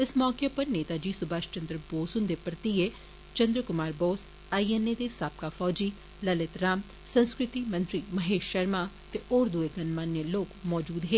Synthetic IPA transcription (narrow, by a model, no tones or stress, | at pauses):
ɪsmɔːkepəɾneːt̪aːd͡ʒiːsʊbaːʃt͡ʃə̃nd̪ɾəboːsʊ̃nd̪eːpɾət̪ieː | t͡ʃə̃nd̪ɾəkʊmaːɾboːs | aːiɛneːd̪eːsaːp̚kaːfʰɔːd͡ʒiː | ləlɪt̪ɾaːm | sənskɾɪt̪iːmə̃nt̪ɾiːməɦeːʃʃəɾmaː | t̪eːʔoːɾd̪ʊeːɡənmaːneloːkmɔːd͡ʒuːd̪ɦeː